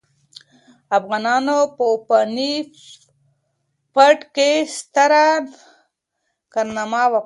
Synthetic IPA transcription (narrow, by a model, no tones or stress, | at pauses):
afɣanɑːnopopani | paʈkest̪aɾa | kaɾnamawa